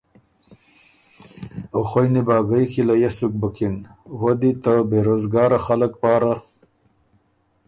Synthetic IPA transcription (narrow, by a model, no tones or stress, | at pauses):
oxojnibɑːɡajkilajasuk̚bakinwad̪it̪abeɾoːzɡɑːɾaxaləkpɑːɾa